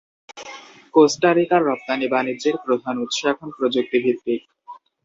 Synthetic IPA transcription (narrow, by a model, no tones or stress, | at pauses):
kosʈaɾikaɾːɔp̚t̪anibanid͡ʑeɾpɾod̪ʱanut̪ːʃoɛkʰonpɾod͡ʑuk̚t̪ibʱit̪ːik